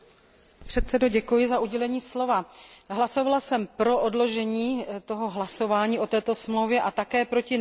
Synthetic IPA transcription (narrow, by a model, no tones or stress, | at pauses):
pr̥ɛt̪sɛdoɟɛkujɪzaʔuɟɛlɛɲiːslo̞vaɦlaso̞valasɛmpɾo̞ʔodlo̞ʒɛɲiːt̪o̞ɦo̞ɦlaso̞vaːɲiːʔo̞t̪ɛːt̪o̞smlowvjɛʔat̪akɛːpɾo̞cɪ